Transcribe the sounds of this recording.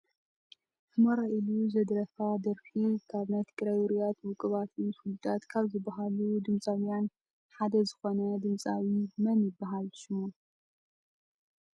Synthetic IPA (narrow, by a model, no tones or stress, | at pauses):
hɨmɐɾaʔiluzɐd̪ɾɐfad̪ɐɾfikʰaβmɐt̪ʰɨɡɾajwʊɾijat̪wʊkʼɨβat̪ʰɨnsulud̪at̪kʰaβzɨbːaɦalud̪ɨmt͡sʼawjan | ħad̪ɐzɨxo̞nɐd̪ɨmt͡sʼawimɐnjɪbːaɦalʃɨmu